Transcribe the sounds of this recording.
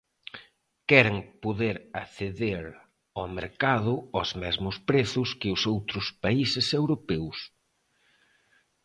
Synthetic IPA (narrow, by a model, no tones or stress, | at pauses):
kɛɾɪŋpoðeɾaθeðeɾ | ɔmḛɾkað̞ʊɔzmɛzmʊspɾeθʊskɪʊsowt̪ɾʊspaisɪsewɾopɛws